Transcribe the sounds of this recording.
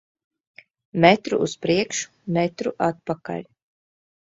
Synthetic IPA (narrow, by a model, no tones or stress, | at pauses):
mɛt̪ɾṵuspɾiɛkʃu̥ | mɛt̪ɾuʔat̪̚paka̰lʲ